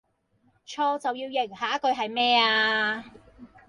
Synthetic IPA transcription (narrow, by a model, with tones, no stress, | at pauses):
t͡ʃʰɔː˧t͡sɐ˨wjiː˧wjɪ˨˩ŋhaː˨˥kɵ˧ɥɦɐ˨jmɛː˥aː˧